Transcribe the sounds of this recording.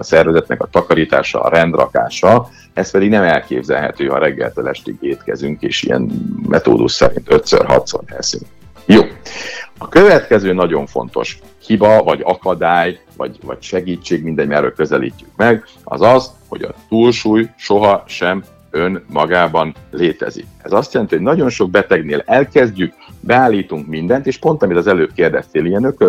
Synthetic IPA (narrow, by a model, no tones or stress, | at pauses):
ɒsɛrvɛzɛt̪nɛkɒt̪ɒkɒɾiːt̪aːʃɒ̰ːɾɛnd̪rɒ̰ka̰ːʃɒ | ɛspɛd̪iɡnɛmɛlkeːbzɛ̰lɦɛ̰t̪øːɦɒɾɛɡːɛlt̪øːlɛʃt̪iɡeːt̪kɛzyŋkḛːʃḭjɛ̰nmɛt̪o̰ːd̪uʃsɛɾḭnt̪ø̞t̪sø̰rɦɒ̰t̪sonɛ̰syŋk | joːɒkøvɛt̪kɛzøːnɒɟo̞ɱfo̞̰nt̪o̞̰ʃ | hibɒvɒɟɒkɒd̪aːj | vɒ̰ɟvɒ̰cʃɛɡiːt͡ʃːeːɡmind̪ɛɟmɛɾø̰ːlkø̞zɛlḭːcːykmɛɡ | ɒ̰zɒzho̞̰ɟɒ̰t̪uːlʃuːjʃo̞ɦɒʃɛm | ønmɒɡaːbɒnleːt̪ɛ̰zḭkɛzɒst̪jɛlɛnt̪iho̞ɟnɒɟo̞nʃo̞ɡ̚bɛt̪ɛɡneːlɛlkɛzɟyk | bɛaːlːiːt̪uŋkmind̪ɛnt̪eːʃpo̞nt̪ɒmit̪ɒzɛløːp̚keːrd̪ɛst̪eːlijɛnøkø